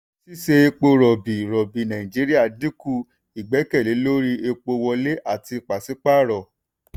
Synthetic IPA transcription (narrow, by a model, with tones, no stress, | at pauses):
si˦ʃe˧e˧k͡po˧ɾɔ˨bi˨ɾɔ˨bi˨nã˨ĩ˨d͡ʒi˨˦ɾi˦a˦˨di˦ku˦˨ | i˨ɡ͡bɛ˨˦kɛ˦˨le˨˦lo˦ɾi˦e˧k͡po˧wɔ˧le˦ʔa˦˨ti˧˨k͡pa˨si˨˦k͡pa˦˨ɾɔ˨